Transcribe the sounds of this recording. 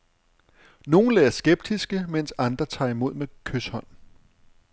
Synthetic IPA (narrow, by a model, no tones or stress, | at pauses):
no̝ːn̩leːɐsɡ̥eb̥̚d̥isɡ̥əmen̰sɑ̈nd̥ʁɐt͡sʰɑ̈ːimo̝ð̞̰ˠmekʰøshɒ̽n̰